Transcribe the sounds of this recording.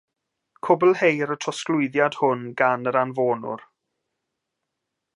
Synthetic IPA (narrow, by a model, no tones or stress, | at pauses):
kʰʊbəlˠhejɾətʰɔsklʊɨðjad̥hʊnɡanəɾanvoːnʊ̰ɾ